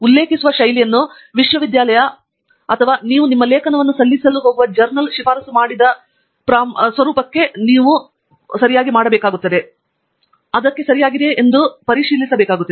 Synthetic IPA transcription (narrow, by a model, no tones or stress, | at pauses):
ulːeːkisuʋɐʃɐjlijɐnːu | ʋiʂʋɐʋid̪jaːlɐjɐ | ɐt̪ʰɐʋaːniːʋunimːɐleːkʰɐnɐʋɐnːusɐlːisɐlːuɦo̞ːɡuʋɐd͡ʒɐɾnɐlʃifaːɾɐsumaːɽid̪ɐ | pɾaːsʋɐɾuːpɐkːe̞niːʋu | sɐɾijaːɡimaːɽɐbɛːkaːɡut̪ːɐd̪e̞ | ɐd̪ɐkːe̞sɐɾijaːɡid̪e̞ʔːnd̪upɐɾiʃiːlisɐbɛːkaːɡut̪ːɐd̪e